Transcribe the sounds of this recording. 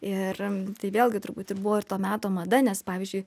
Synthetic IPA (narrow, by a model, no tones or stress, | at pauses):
ɪrt̪ɐɪʋʲeːlˠɡʲɪt̪ʊɾbuːt̪ʲɪrbʊʋoːɪɾt̪oːmʲæːt̪oːmɐd̪ɐnʲɛspɑːʋʲiːzʲd͡ʒʲʊɪ